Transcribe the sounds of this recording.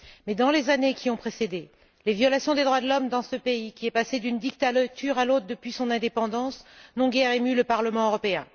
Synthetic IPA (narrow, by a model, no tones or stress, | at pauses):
mɛd̪ɑ̃lezanekʲʰiɔ̃pχesed̪e | levjɔlasjɔ̃d̪ed̪ʁwad̪əlɔmd̪ɑ̃səpeikʲiɛpased̪ynd̪ikt̪alt̪ʰyʁalot̪χd̪əpɥisɔ̃nɛ̃d̪epɑ̃d̪ɑ̃snɔ̃ɡʲɛʁemyləpaʁləmɑ̃øʁɔpeɛ̃